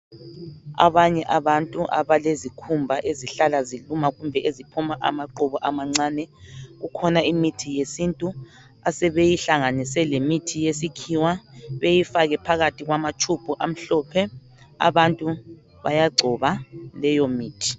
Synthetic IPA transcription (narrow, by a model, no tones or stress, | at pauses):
a̰βaɲɛʔaβantʼuʔa̰βalezikʰumbʱaʔeziɬalazilumaɣumbʱɛʔezipʰumaʔa̰maǃuβɔʔamaŋ͡ǀaːnɛɣukʰɔnaimitʰijesintʼu | asɛβejiɬaŋanisɛlemitʰijesikʰiwaβejifaɣɛpʰaɣatʰiɣwamat͡ʃʰʼupuʔam̩ɬɔpʰɛ | a̰βantʼu | βa̰jaɡ͡ǀʱɔβalɛjomiːtʰi̥